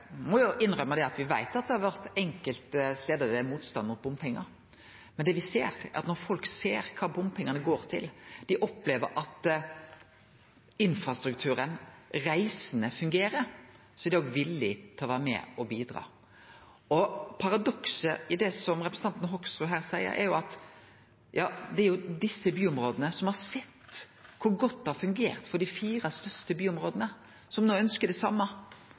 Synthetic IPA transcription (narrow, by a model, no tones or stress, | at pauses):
mɔjʊʔɪnɾœməd̪ɛɑt̪ʋɪʋæ̰ɪt̪ɑt̪̚d̪ɛhɑɾʋæɾt̪ɛŋkəlt̪st̪eːd̪əd̪əmuːt̪st̪ɑnmʊt̪̚bʊmpʰɛŋːɑ̰ɾ | mɛnd̪ɛʋɪseːɾæɾɑt̪nɔɾfɔlkseːɾkʰɑːbʊmpʰɛŋːɑnəɡoːɾt̪ʰɪ̰ld̪̥ɪʔɔpleːʋəɾʔɑt̪ | ɪnfɾɑst̪ɾʉk̚t̪ʰʉːɾənɾæɪsənəfʉŋɡeːɾəɾ | sɔɛd̪ɛɔɡʋɪlːɪt̪ʰɪlɔʋæːɾəmɛ̰ɔbiːd̪ɾɑ̰ː | ɔpʰɑɾɑd̪ɔksəʔɪd̪ɛsɔmɾɛpɾəsn̩ɑnt̪nɦɔksɾʉɦæːɾsæɪə̰ɾʔæ̰ɾjʊɑt̪ | jɑːd̪ɛæɾjʊd̪ɪsːəbyːɔmɾoːd̪ənəsɔmhɑɾsɛt̪ːkʰʊɾɡɔt̪̚ːd̪ɛhɑɾfʉŋɡeːɾt̪fɔɖɪfiːɾɑst̪œst̪əbyːɔmɾoːd̪ənə | sɔmnoːœnskəd̪ɛsɑ̰mːɑ